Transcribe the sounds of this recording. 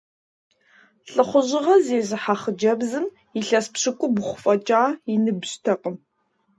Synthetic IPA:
ɬʼɨχʷʊʑɪʁɐzeːzɨħaχəd͡ʒɐbzɨm | iɬɐspɕɪkʷʼʊbʊχʷʊfʼɐt͡ʃʼaːinɨbɕtʰɐqʼəm

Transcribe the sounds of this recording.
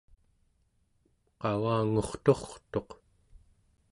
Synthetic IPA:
qɑɣaːŋoχt̪o̞χt̪o̞q

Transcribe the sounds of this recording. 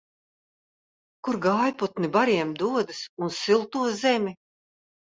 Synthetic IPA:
kuɾɡaːjput̪nibaɾiɛmd̪uɔd̪ɨsunsilˠt̪uɔzɛmʲi

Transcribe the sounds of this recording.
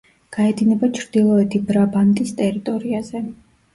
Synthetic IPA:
ɡ̥aɛd̪inɛbat͡ʃʰɾd̪ilˠɔɛt̪ʰibɾabant̪ʼist̪ʼɛɾit̪ʼɔɾiazɛ

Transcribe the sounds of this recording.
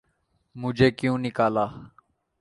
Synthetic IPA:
mʊd͡ʒʱeːkjũːnɪkaːlaː

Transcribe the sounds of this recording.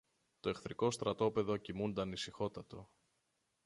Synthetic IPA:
t̪o̞e̞xθɾiko̞st̪ɾɐt̪o̞pe̞ðo̞cimund̪ɐnisixo̞t̪ɐt̪o̞

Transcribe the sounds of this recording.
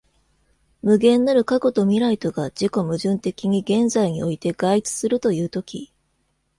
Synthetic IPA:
mɯ̟ɡẽ̞nːaɾɯ̟kako̞t̪o̞mʲiɾait̪o̞ɡad͡ʑiko̞mɯ̟ʑɨ̃nt̪e̞kʲiɲ̟iɡẽ̞nzaiɲ̟io̞it̪e̞ɡait͡sɨ̥sɨɾɯ̟t̪o̞jɯ̟ːt̪o̞kʲḭ

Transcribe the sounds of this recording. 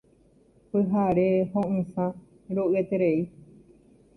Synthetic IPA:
pɨɦaɾehõʔɨ̃sã | ɾoʔɨet̪eɾei

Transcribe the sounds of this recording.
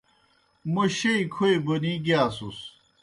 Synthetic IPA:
mɐɕeikʰoebɐniɡaːsus

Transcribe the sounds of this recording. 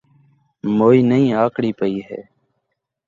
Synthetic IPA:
moːiːnəɦĩːaːkɽiːpəiːɦɛ̰ː

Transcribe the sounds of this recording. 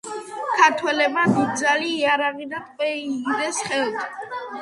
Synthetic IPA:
kʰaɾt̪ʰwɛlɛbmad̪id̪̚d̪zaliːaɾaʁid̪at̪ʼqʼwɛiɡid̪ɛsχɛlˠt̪ʰ

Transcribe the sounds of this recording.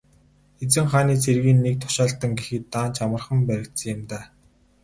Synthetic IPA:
et͡sɘ̆ŋχaːniːt͡sʰerɣiːnːek̚t̪ʰʊ̥ʃaːɬt̪ə̆ŋɡexɘ̆t̪ːaːnt͡ɕamə̆rχə̆mpæɾʲɪ̆k̚t̪sə̆ŋjɪ̆mt̪aː

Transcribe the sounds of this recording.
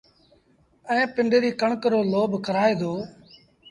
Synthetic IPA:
ɛ̃ːpɪɳɖeɾiːkəɳkəɾoːloːbkəɾaːeːd̪oː

